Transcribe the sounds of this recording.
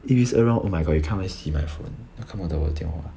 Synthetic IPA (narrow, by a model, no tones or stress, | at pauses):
ifisəɹãʔomaɪɡɔdjukʰãnwɛsimã̰ɪfo̰njakʰãmãd̪əwə̰t̪jɛ̰̃nxwa̰